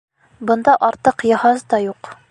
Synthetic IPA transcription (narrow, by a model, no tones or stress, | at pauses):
bɤ̆nd̪ɑʔɒɾt̪ɤqjɑhɑzd̪ɒjuq